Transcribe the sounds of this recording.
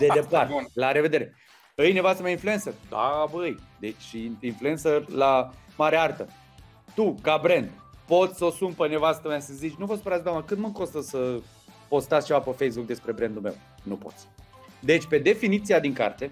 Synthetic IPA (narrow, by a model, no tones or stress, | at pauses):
d̪ed̪epart̪laɾe̞ve̞d̪e̞ɾe̞ | ɨjne̞vast̪əmeainfluensərd̪̥a̰bəɨjd̪e̞t͡ʃʲinflue̞nsərlamaɾeaart̪ə | t̪ukabɾe̞nd̪po̞t̪sʲsəosumpənevast̪əmeasəzit͡ʃnup̬ot̪səpəɾat̪d̪aməkɨnd̪məŋkost̪əsə | po̞st̪at̪sʲt͡ʃe̞vapəfe̞jsbuk̚d̪e̞spɾe̞bɾe̞nd̪ume̞̰w | nupo̞̰t̪sʲ | d̪e̞t͡ʃʲpe̞d̪e̞finit̪siad̪iŋka̰rt̪e̞